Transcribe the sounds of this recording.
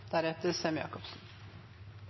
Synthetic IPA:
d̪̥æɾɛt̪ɛsɛmjɑ̰ːkʰʊpsɨn

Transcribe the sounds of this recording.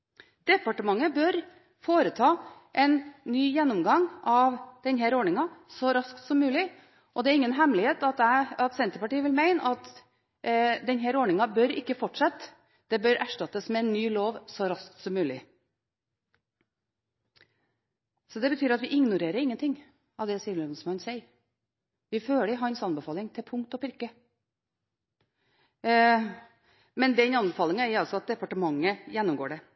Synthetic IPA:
d̪̥ɛpɑʈəmɑŋːəbœɾ | foːɾət̪ʰɑːʔɛɪnnyːjɛnːɔmɡɑŋɑʋd̪̥ɛnɦæɾɔɳɪŋɑsɔɾɑskt̪sɔmːʉːlɪ | ʔɔd̪ɛæːɾɪŋːənɦɛmlɪheːt̪ɑt̪ɑt̪sɛnt̪əpɑʈiːʋɪlmæɪnəʔɑt̪ | d̪ɛnɦæɾɔːɳɪŋɑbœɾɪkːəfɔʈʂɛt̪ː | d̪̥ɛbœɾæʂʈɑt̪əsmɛɛnːyːloːʋsɔɾɑst̪sɔmːʉːlɪ | sɔd̪ɛbət̪ʰyːɾɑt̪ʋɪʔɪŋnʊɾeːɾəɾɪŋːənt̪ʰɪŋ | ɑʋd̪ɛsiːənsmɑnsæɪəɾ | ʋɪføːləɪɦɑːɛnsɑnbəfɑːlɪŋt̪ʰɪpʰʊŋkt̪ɔpʰɪɾkə | mɛnd̪ɛnɑnbəfɑːlɪŋɑæɾʊɑlsɔɑt̪̚d̪ɛpɑʈəmɑŋːəjɛnːʊmɡo̰ːɖɛ

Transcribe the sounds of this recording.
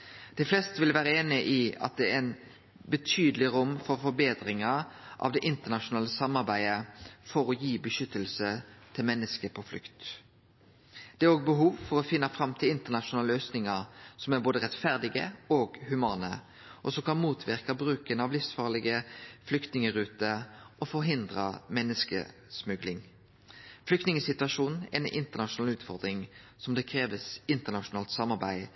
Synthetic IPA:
d̪̥ɛɪflɛst̪ʋɪlʋæːɾəeːnɪʔiɑ̰t̪̚d̪ɛæɛn | bət̪ʰyːd̪əlɪʁʊmːfɔɾfɔɾbeːd̪ɾɪŋɑʔɑ̰ʋd̪ɛʔɪnt̪ənɑʃʊnɑːləsɑmːɑʁbæɪəfɔɾɔjiːbəʃʏt̪ːəlsət̪ʰɪlmɛnːəskəpʰɔflʏ̰kt̪ | d̪̥ɛæːɾoːɡ̚bəɦuːʋfɔɾɔfɪnːɑfɾɑmt̪ʰɪlɪnt̪əʁnɑʃʊnɑːləøːsnɪŋəɾsɔmæʁboːd̪əʁɛt̪fæʁd̪ɪɡəoːɡhʉmɑːnə | ʔɔsɔmkʰɑnmuːt̪ʰʋɪʁkɑbʁʉːkənɑʋlɪfsfɑːʁlɪɡəflʏkt̪nɪŋəɾʉːt̪əʔɔfɔʁɦɪnd̪ʁə̰mɛnːəskə̰smʉɡlɪŋ | flʏkt̪nɪŋəsɪt̪ʉɑʂuːnn̩ɛnʔɪ̰nt̪əʁnɑʃʊnɑːlʉːt̪fɔʁd̪ɾɪŋsɔmd̪eːkʰɾeːʋəsɪnt̪ənɑʃʊnɑːlt̪sɑmːɑʁbæɪ

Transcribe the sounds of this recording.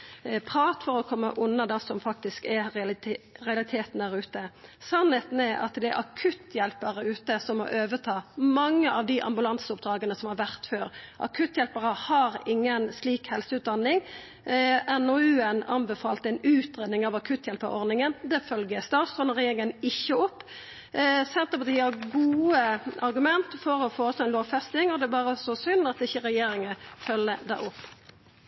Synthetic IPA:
pʰʁɑːt̪fɔʁɔkʰɔmːə̰ʔʊnːɑd̪ɑsɔmfɑk̚t̪ɪskɛ | ʁɛɑlɪt̪ʰeːt̪n̩d̪æʁʉːt̪əsɑnheːt̪nɛʔɑ̰t̪d̪ɛæ̰ɾʔɑ̰kʰʉt̪ːjɛlpəʁəʉːt̪əsɔmːɔ̰ɾʔøːʋət̪ʰɑːmɑŋːəʔɑʋd̪iʔɑ̰mbʉlɑnsʊp̚d̪ɾɑːɡənəsɔmhɑɾʋæʁt̪føːɾʔɑ̰kʰʉt̪ːjɛlpəʁəhɑɾɪŋːənsliːkhɛlsəʉːt̪̚d̪ɑnːɪŋ | ɛnɔʉːɛnɑnbɛfɑːlt̪əɛnʉːt̪ɾeːd̪nɪŋɑʋɑkʰʉt̪ːjɛlpəɾɔ̰ʁd̪nɪŋənd̪ɛfœlɡəst̪ɑːt̪st̪ʁɔnʁɛjeːɾɪŋənɪçːəʊpː | sɛnt̪əpɑt̪ʰiːɑɡuːəɑɾɡʉmɛnt̪fɔɾɔfoːst̪oɛɪnloːʋfɛst̪ɪŋɔd̪ɛæbɑːɾəsɔsʏnːɑt̪ɪçːəɾɛjeːɾɪŋəfœlːəd̪ɛ̰ʊpː

